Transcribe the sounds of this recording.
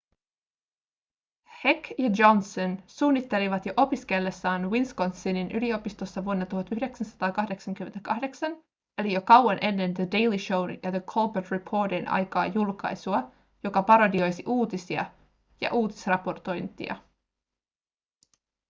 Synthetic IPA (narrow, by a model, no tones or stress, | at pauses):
hekjɑd͡ʒonsonsuːnːit̪ːe̞liʋɑt̪jo̞ʔo̞piske̞lːesːɑːnwinskont̪sininʔylio̞pist̪o̞sːɑʋuonːɑt̪uhɑt̪yɦdeksænsɑ̥t̪ɑːkɑhde̞ksɑŋk̟ymːent̪ækɑhde̞ksɑn | elijo̞kɑwɑnʔe̞nːendəde̞jliʃo̞wnjɑðəkʰolbət̪ɹipʰo̞ːdinʔɑ̰jkɑ̰ːjulkɑ̰jsuɑ | jo̞kɑpɑɾo̞dio̞jsiʔuːt̪isiɑ̰ | jɑ̰ʔuːt̪i̥srɑpo̞rt̪o̞jnt̪ḭɑ̰